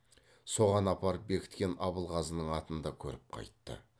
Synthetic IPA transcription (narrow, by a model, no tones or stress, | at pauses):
so̞ʁɑnɑpɑɾpbe̞kʲɪ̥t̪kʲe̞nɑbəlˠʁɑzənəɴɑt̪ənd̪ɑkʲʰɵ̰ɾɪp̚qʰɑ̰jt̪ːə̰